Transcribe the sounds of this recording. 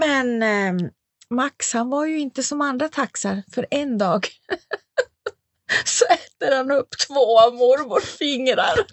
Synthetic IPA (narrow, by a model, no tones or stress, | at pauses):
mɛn | makshanvaɾjɵɪnt̪əsɔmand̪ɾat̪ʰaksaɾfœɾɛnd̪ɑːɡ | sɔɛt̪ːəɾhanɵpːt̪ʰvoːamʊɾmʊɾfɪŋɾa̰ɾ